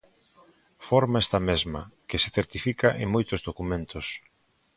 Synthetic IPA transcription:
fɔɾmaest̪ɐmezmɐ̰kesɪθeɾt̪ifikɐʔeŋmojt̪ʊzðokumẽnt̪ʊs

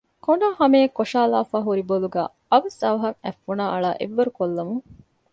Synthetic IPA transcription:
koɳɖaːhɐmeːkːoʃaːlaːfaːɦuɾiboluɡæ̰ː | ɐʋɐsɐʋɐɦɐŋæ̰fːunaːʔɐɭaːʔḛʋːɐɾukolːɐmuŋ

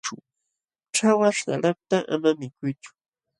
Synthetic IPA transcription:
ʊ | ʈ͡ʂawaʃɢɑ̰lap̚t̪aʔa̰mamɪkʊjt͡ʃʊ̥

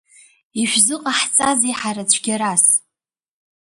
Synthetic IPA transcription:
iʃʷᶣzɨqʼaħt͡sʼaziħaɾat͡ɕʷʰɡʲaɾas

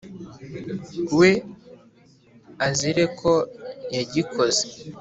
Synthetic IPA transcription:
we | aziɾe̞kʰojaɟikʰo̞ze

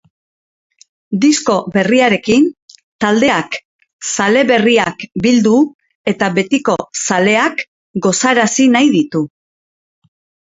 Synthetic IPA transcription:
d̪isko̞be̞riaɾe̞kint̪ald̪e̞ak | sale̞βe̞riakbild̪u | e̞t̪aβe̞t̪iko̞sale̞ak | ɡo̞saɾasinajðit̪u

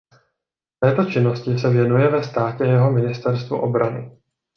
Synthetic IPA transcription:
t̪ɛːt̪o̞t͡ʃɪnːo̞scɪs̬ɛvjɛnujɛvɛst̪aːcɛjɛɦo̞mɪnɪst̪ɛɾst̪vṵʔo̞bɾanɪ̰

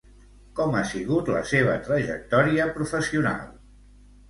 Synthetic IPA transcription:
kɔmasiɣut̪lə̰seβ̞ət̪ɾəʒə̰k̚t̪ɔɾiəpɾufəsiuna̰lˠ

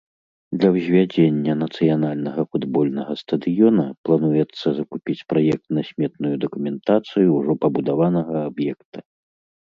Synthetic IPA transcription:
d̪lʲɐwzʲvʲad͡zʲenʲːɐnɐt̪sɨjanalʲnɐɣɐfud̪bɔlʲnɐɣɐst̪ɐd̪ɨjɔnɐplˠanujɛt̪sːɐzɐkupʲit͡sʲpɾajɛk̚t̪nɐsʲmʲɛt̪nujud̪ɐkumʲɛnt̪at̪sɨjuːʐɔpɐbud̪avanɐɣɐabjɛkt̪ɐ

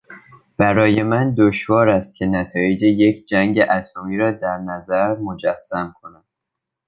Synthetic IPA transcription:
b̥æɾɒːje̞mænd̪oʃvɒːɾæst̪̚cʲʰe̞næt̪ʰɒːjed͡ʒe̞je̞cʰd͡ʒæŋɟeʔæt̪ʰomiːɾɒːd̪æɾnæzæɾmo̞d͡ʒæsːæmkʰo̞næd̪̥

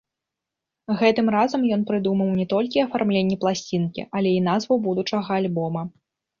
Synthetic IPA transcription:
ɣɛt̪ɨmrazɐmjɔnpɾɨd̪umɐwnʲɛt̪ɔlʲkʲiɐfarmlʲenʲːɛplˠasʲt͡sʲinkʲḭʔɐlʲɛin̪azvɐwbud̪ut͡ʂɐɣɐːlʲbɔmɐ

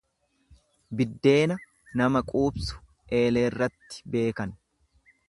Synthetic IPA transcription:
bɪd̪ːe̞ːnɐ | nɐmɐkʼuːbsʊ̥ | ʔe̞ːleːrːɐt̪ːɪ̥be̞ːkɐn

